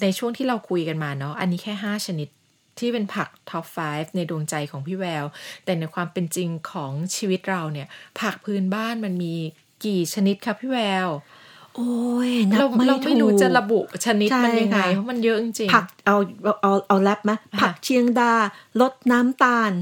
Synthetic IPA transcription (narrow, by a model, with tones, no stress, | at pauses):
na˧jt͡ɕʰu˥˩əŋt̪ʰiː˥˩ɾa˧wkʰu˧jka˧nmaː˧nɔ˦˥ʔa˧nːiː˦˥kʰɛː˥˩ɦaː˥˩t͡ɕʰa˧ni˦˥t̪̚ʰː | iː˥˩pe˧npʰa˨˩k̚t̪ʰɔ˦˥p̚faː˦˥jf̚na˧jdoː˧ŋt͡ɕa˧jkʰɔː˩˦ŋpʰiː˥˩wɛː˧wt̪ɛː˨˩na˧jkʰwaː˧mpe˧nt͡ɕi˧ŋkʰɔː˩˦ŋt͡ɕʰiː˧wi˦˥t̪̚ɾa˧wni˥˩ɐpʰa˨˩k̚pʰɯː˨˧˥nbaː˥˩nma˧nmiː˧ | kiː˨˩t͡ɕʰa˧ni˦˥t̪̚kʰa˦˥pʰiː˥˩wɛː˧w | ʔoː˧jn˦la˧wmɾa˧˥wma˥jɾuː˦t͡ɕa˨˩ɾa˧bu˨˩ʔt͡ɕʰa˧ni˦˥t͡ɕ̚ʰma˧jnja˧ŋːa˧jpʰɔ˦˥ma˧njɤ˦˥ʔt͡ɕi˧ŋt͡ɕi˧pʰa˨˩k̚ʔa˧wa˧wʔa˧wʔa˧wlɛ˦˥p̚na˦˥pʰa˨˩k̚t͡ɕʰi˧əŋdaː˧lo˦˥t̪̚naː˦˥mt̪aː˧n